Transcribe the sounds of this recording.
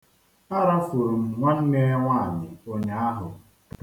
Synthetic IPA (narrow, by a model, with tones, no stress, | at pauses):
a˦ɾa˦fu˨ɾu˨m̩˨ŋʷa˦n̩˦ne˦ŋʷa˦a˨mɪ˨o˦ɲa˦a˦ɦʊ˨